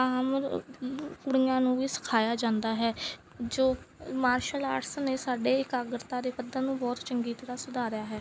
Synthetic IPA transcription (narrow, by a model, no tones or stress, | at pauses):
aːm | kʊɽijãːnũːʋiːsə̥kʰaːjaːd͡ʒãːnd̪aːɦɛː | d͡ʒoːmaːɾʃəla̰ːʈsənneːsaːɖeːɪkaːɡɾt̪ãːd̪eːpəd̪ːaːnũːbɔːt̪t͡ʃəŋɡiːt̪əɾaːsʊd̪aːɾɪjaːɦɛː